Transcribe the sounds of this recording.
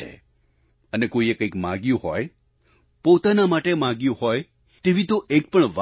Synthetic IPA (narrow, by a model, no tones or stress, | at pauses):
ḛ | ənekoiekəikmã̰ɡjũɦɔj | pot̪anamaʈemãɡjũhɔj | t̪eʋĩt̪oʔek̚pəɳʋa